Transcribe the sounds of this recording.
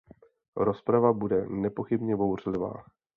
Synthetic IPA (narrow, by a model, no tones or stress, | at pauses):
ɾo̞spɾavabudɛnɛpo̞xɪbɲɛbo̞wr̝lɪva̰ː